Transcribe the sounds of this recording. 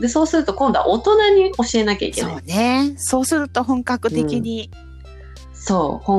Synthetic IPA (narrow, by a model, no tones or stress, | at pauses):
d̪e̞so̞ːsɨɾɯ̟t̪o̞kõ̞nd̪oa̰ʔot̪o̞naɲ̟io̞ɕie̞nakʲa̰ḭke̞̰oaːne̞so̞ːsɨɾɯ̟t̪o̞ɦõ̞ŋkakɯ̟tt̪e̞kʲiɲ̟i | soːhõ